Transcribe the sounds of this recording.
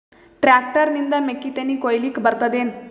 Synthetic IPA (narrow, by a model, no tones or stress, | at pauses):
ʈɾak̚ʈəɾnind̪ɐmekːit̪enikojlikbɐɾt̪ɐd̪en